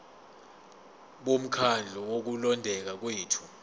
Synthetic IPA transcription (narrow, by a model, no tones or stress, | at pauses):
ɓom̩kʰand͡ɮʱɔwok̬ulɔndʱɛk̬ak̬weːtʰu̥